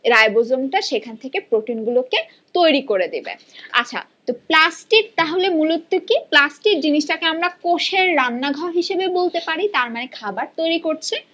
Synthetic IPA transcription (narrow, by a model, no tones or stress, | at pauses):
ɾaebod͡ʑomʈaʃekʰanet̪ʰekepɾoʈinɡuloke | t̪ojɾikoɾed̪ibḛa̰t͡ɕʰa̰ | t̪oplasʈik̚t̪aɦolemulut̪ːokiplasʈik̚d͡ʑiniʃʈakeamɾakoʃeɾːanːaɡʱaɦiʃebebolt̪epaɾit̪aɾmanekʰabaɾt̪ojɾikoɾt͡ɕʰe